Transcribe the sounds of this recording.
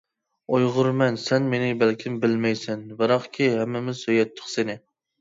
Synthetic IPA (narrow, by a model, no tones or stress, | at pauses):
ojʁʊɾmɛnsɛnmenɪbælkʲʰɪmbɪlmɛjsɛnbɨɾɑqkʲʰihɛmːɪmɪzsøjɛt̪ʰːə̥χsenɪ